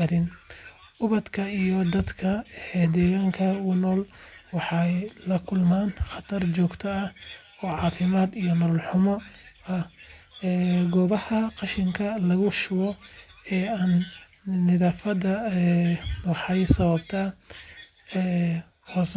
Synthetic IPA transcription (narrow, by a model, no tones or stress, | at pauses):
ɐɾɪn | ʊβɐd̪kʰɐijɔd̪ɐd̪kʰɐɛd̪ɛːɣaːŋkʰɐɡʊnɔːlwɑħɑjlɐkʰʊlmaːnχɑt̪ʰɐrt͡ʃɔːɡt̪ʰɔɐh | ɔːʕɑːfɪmaːd̪ijɔnɔːlħʊmɔɐ | ɛːɡɔːβɐhɐqɑʃɪŋkʰɐlɐɣʊʃʊwɔɛːaːnː | ɪðaːfɐdɐɛwɑħɑjsɐβɐbt̪ʰɐ | ɛː | hɔs